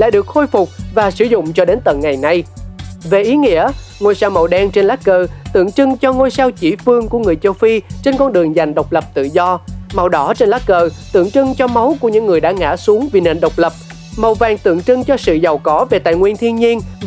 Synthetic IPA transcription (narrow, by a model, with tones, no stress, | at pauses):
la̰ː˧˨jɗɨ˨˩ək̚xo˧jfʊ˨˩k͡p̚vaː˨˩sɨ˧˩˦zʊ̰˧˨ŋ͡mt͡ɕɔ˧ɗe˨˦nt̪ə̰˧˨nŋa˨˩jna˧jve˨˩ʔi˨˦ŋḭ˧˥əŋo˧jsaː˧wmə˨˩wɗɛ˧nt͡ɕe˧nlaː˦˥k̚kəː˧t̪ɨ̰˧˨əŋt͡ɕɨ˧ŋt͡ɕɔ˧ŋo˧jsaː˧wt͡ɕḭ˧˩fɨ˧əŋku˧˩əŋɨ˨˩əjt͡ɕə˧wfi˧t͡ɕe˧nkɔ˧nɗɨ˨˩əŋza˨˩jŋɗə˨˩wk͡p̚lə˨˩p̚t̪ɨ̰˧˨zɔ˧ma˨˩wɗɔ˨˦t͡ɕe˧nlaː˦˥k̚kəː˧t̪ɨ̰˧˨əŋt͡ɕɨ˧ŋt͡ɕɔ˧ma˨˦wku˧˩əɲɨ̰˧˥ŋːɨ˨˩əjɗa̰ː˧˥ŋa̰ː˧˥su˨˦əŋvi˨˩nḛ˨˧˩nɗə˨˩wk͡p̚lə˨˩p̚ | ma˨˩wvaː˨˩ŋt̪ɨ̰˧˨əŋt͡ɕɨ˧ŋt͡ɕɔ˧sɨ̰˧˨za˨˩wkɔ˨˦ve˨˩t̪a̰ː˧˨jŋwi˧ənt̪ʰi˧ənɲi˧ən